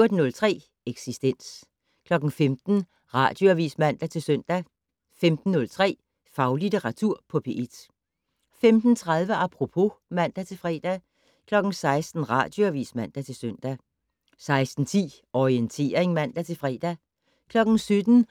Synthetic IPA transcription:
d̥ənɔ̽lt͡sʰʁɛ̰ː | eɡ̥sisd̥en̰s | kʰlɒ̽ɡ̥n̩femd̥n̩ | ʁɑ̰̈ːd̥joæʋḭːsmæn̰d̥æt͡sʰe̝lsœn̰d̥æ | femd̥n̩ːɔ̽lt͡sʰʁɛ̰ː | fɑ̈ʊlit͡sʰeʁɑ̈t͡sʰuɐ̰pʰɒ̽pʰe̝ʔed̥ | femd̥n̩t͡sʰʁɑ̈ð̞ˠʋəʔɑpʰʁo̝pʰo̝mæn̰d̥æt͡sʰe̝lfʁɛ̰ːd̥æ | kʰlɒ̽ɡ̥n̩sɑ̈ɪsd̥n̩ʁɑ̈d̥joæʋḭːsmæn̰d̥æt͡sʰe̝lsøn̰d̥æ | sɑ̈ɪsd̥n̩t͡sʰḭː | ɒient͡sʰe̝̰ːɐeŋmæn̰d̥æt͡sʰe̝lfʁɛ̰ːd̥æ | kʰlɒ̽ɡ̥n̩syd̥n̩

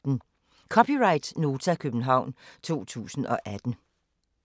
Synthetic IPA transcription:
n̩ | kʰɒ̽pʰiʁɑ̈ɪd̥no̝ːt͡sʰækʰøb̥n̩ɦɑ̈ʊ̰nt͡sʰo̝̰ːt͡sʰṵːsn̩ʔɒ̽ʔæd̥n̩

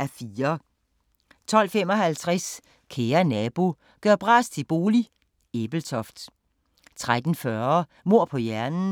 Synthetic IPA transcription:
æfiːɐ | t͡sʰɒ̽l̰fem̰ɒ̽hælt͡sʰʁas | kʰeːɐnɛb̥o̝ | ɡ̥ɶɐ̰b̥ʁɑ̈ːst͡sʰe̝b̥o̝ːli | eb̥l̩t͡sʰɒfd̥ | t͡sʰʁad̥n̩fɶɐ | mo̝ɐ̰pʰɒ̽jæɐnn̩

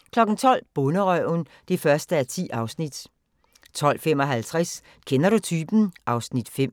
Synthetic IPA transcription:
kʰlɒ̽ɡ̥n̩t͡sʰɒ̽l̰b̥ɔnəʁœʊn | d̥ifɶɐsd̥əæɐt͡sʰḭːʔɑ̈ʊsnid̥ | t͡sʰɒ̽l̰fem̰ɒ̽ɦælt͡sʰʁas | kʰenɐɾut͡sʰyːb̥n̩ʔɑ̈ʊsnid̥fem̰

